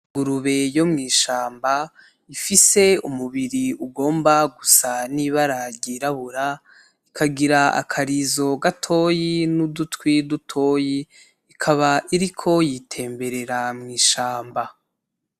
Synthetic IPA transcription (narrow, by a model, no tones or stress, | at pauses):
ɡuɾuβe̞jo̞mŋiːʃaːmba | ifise̞umuβiɾiuɡo̞ːmbaɡusaniβaɾaɟiɾaβuɾa | ikʰaɡiɾaa̰kʰaɾizo̞ɡatʰo̞jinudutwidutʰo̞ːji | ikʰaβaʔiɾikʰo̞jitʰe̞ːmbe̞ɾe̞ɾamŋiːʃaːmba